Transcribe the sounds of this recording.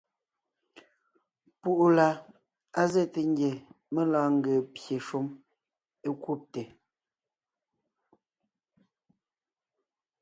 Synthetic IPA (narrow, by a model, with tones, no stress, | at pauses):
pu˦˨ʔu˦la˨ | a˦zɛ˦˨te˨ŋ˦ɡje˨ | me˦laː˦ŋ̩˦ɡə˨pje˨ʃu˦m | e˦ku˦˨p̚te˨